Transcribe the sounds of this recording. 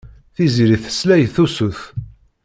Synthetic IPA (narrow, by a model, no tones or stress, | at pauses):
θiziɾiθə̥slæjθusuθ